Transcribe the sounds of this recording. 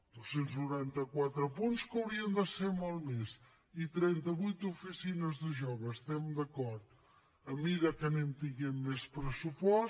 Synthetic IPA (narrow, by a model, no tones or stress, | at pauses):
d̪̥osenznuɾant̪əkwat̪ɾəpunskəwɾiənd̪əsemolˠmez | it̪ɾɛnt̪əβujt̪ufisinəzðəʒɔβəːst̪ɛmd̪əkɔɾt̪̚ | əmiɾəkənemt̪iŋɡɛmːespɾəsupɔs